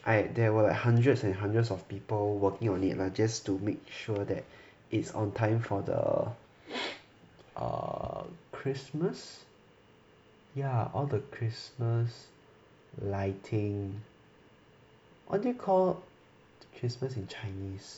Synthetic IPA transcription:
ʔaɪdɛwəlaɪk̚hãndɹətsɛ̃nɦãndɹətsɔfpiːpəlwəkɪ̃ŋɔ̃nḭtlad͡ʒastumek̚ʃuədɛt̚ | ʔitsɔ̰̃ntʰãɪ̃mfɔdə̰ | ʔʌ̰ | kʰɹisməs | jaɔldəkʰɹisməs | laɪtʰɪ̃ŋ | ʔɔ̰dekʰɔl | dəkʰɹisməsĩnt͡ʃaɪnis

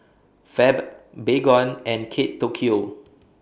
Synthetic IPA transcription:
fɛb | beɡɔ̃nɛ̃nkʰetːokʰio

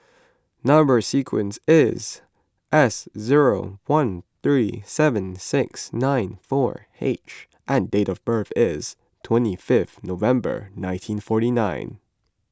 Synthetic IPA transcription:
nʌ̃mbə˞sikʰwɨ̰̃nsɪz | ʔɛszɪɹoʊwʌ̃nθɹisɛvɨ̃nsɪksnãɪ̃nfɔ̰ɹ | ḛɪt͡ʃ | ʔɨ̃ndeɪɾʌvbɜ˞θɪz̥ | tʰw̥ɛ̃ntifɪfθnoʊvɛ̃mbə̰˞nãɪ̃ntʰĩnfɔɹɾinãɪ̃n

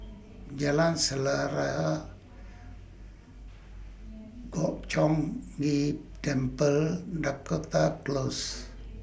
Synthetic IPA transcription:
d͡ʒalansəlaɾaa | ɡ̥ɔʔt͡ʃɔŋɡidɛmpəldakot̪aklos

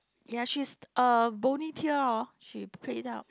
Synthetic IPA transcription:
jaʃisəbonitʰiəaʃipʰeidaʊt̚

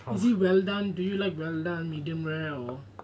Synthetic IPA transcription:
iziwɛldãndujulaɪkwɛldãnmidiə̃mɹɛɔ

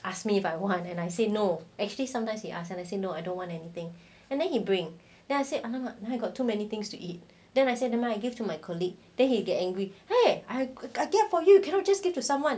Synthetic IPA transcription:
ʔaskmiːfajwɔ̃ntɛ̃najsenoɛk̚t͡ʃuəlisãmtãɪ̃mshiʔasɛ̃najsenoajdõntwɔ̃ntɛnit̪ɪ̃ŋ | ɛ̃ndɛ̃nhibɹɪ̃ŋ | d̥ɛ̃najsealãmanaajɡɔtʰːumɛnit̪ɪ̃ŋstuʔit̚ | dɛ̃najsednɛ̃maaɪjɡivtumaɪkʰɔliɡ̚d̥ɛ̃nhiɡɛt̚ɛ̃ŋɡɹiheaɪaɪɡɛtfɔjujukʰɛ̃nɔt̚d͡ʒasɡ̥iv̥tusãmwãn

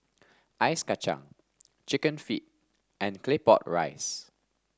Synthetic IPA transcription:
ʔaɪskat͡ʃã̰ŋ | t͡ʃikə̃nfit̚ | ʔɛ̃nklepɔ̰t̚ɹa̰ɪs

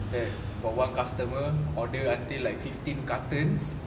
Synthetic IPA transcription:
dɛt̚fɔwãnkast̪əməɔdəãntilaɪkfiftĩnkat̪ə̃ns

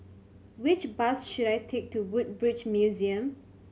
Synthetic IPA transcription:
wɪt͡ʃbasʃuɾajtʰek̚tuwut̚bɹit͡ʃmjuziə̃m

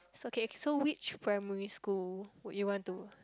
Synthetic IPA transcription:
sookesowit͡ʃpʰɹaɪmɛɹiskulwɔʔjuwɔ̃ntu

